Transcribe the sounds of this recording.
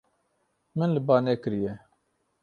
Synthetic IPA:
mɨnlɨbaːnekɨɾje

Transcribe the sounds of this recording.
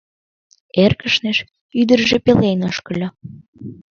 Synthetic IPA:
erkəʃneʃ | yd̪ərʒepelenoʃkə̆lʲo

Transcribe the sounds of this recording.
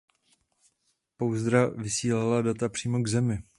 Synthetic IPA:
powzd̪ɾavɪsiːlaladat̪apr̥iːmo̞ɡzɛmɪ

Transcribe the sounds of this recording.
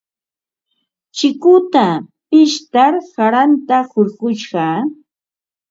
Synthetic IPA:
t͡ʃɪkʊt̪apɪʃt̪aɾhaɾant̪ahoɾɢʊʃɢɑ

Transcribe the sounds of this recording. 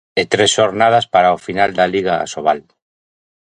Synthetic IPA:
et̪ɾesʃoɾnað̞aspaɾaofinald̪aliɣa̰ːsoβal

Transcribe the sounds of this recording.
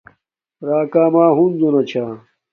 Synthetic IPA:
ɾaːkaːmaːɦunzonɐt͡ɕʰaː

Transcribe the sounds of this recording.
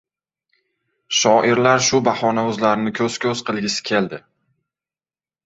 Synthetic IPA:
ʃɒʔɪɾlaɾʃʊbahɒnaɵzlaɾnɪkʲʰɵz̥kʲʰɵz̥qʰɨlˠɡʲɪsɪ̥kʲʰe̞ld̪ɪ

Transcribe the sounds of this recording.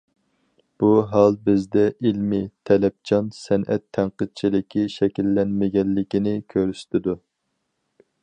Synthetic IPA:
b̥uɦɑlˠbɪzd̪ɛʔilmɪt̪ʰɛlɛp̚t͡ʃʰɑnsɛnʔɛt̪ʰːæɴqəd̪̚t͡ʃʰilɪkʲʰiʃɛkʲilːɛnmɪɡʲɛnːɪkʲinɪkʲʰøɾyʃt̪ɪd̪u

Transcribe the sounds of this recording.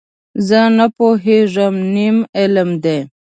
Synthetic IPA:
zənapoɦeʐəmnimeləmd̪e

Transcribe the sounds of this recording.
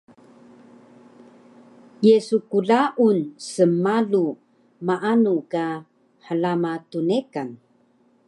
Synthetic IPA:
jesukuɮaʔunsəmalu | maʔanuka | ħəlamatunekan

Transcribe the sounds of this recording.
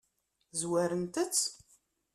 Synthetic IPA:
zwæɾənt̪ət͡sː

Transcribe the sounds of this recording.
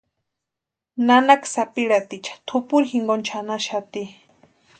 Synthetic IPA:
nanaksapiɺat̪it͡ʃʰḁt̪ʰupuɾixiŋɡont͡ʃʰanaʃat̪i

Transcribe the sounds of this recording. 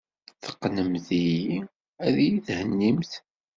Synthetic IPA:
θə̥qːnəmθiji | æðjiðhənːimθ

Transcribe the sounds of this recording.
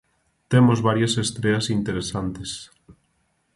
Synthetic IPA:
t̪emozβaɾjɐsest̪ɾeɐsint̪eɾesant̪es

